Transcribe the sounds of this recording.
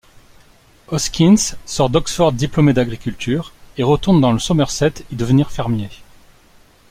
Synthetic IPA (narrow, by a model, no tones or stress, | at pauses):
ɔskʲinssɔʁd̪ɔksfɔʁd̪ːiplɔmed̪aɡʁikʲylt̪ʰyːʁeʁət̪uʁnd̪ɑ̃ləsɔmɛʁsɛt̪id̪əvəniʁfɛʁmje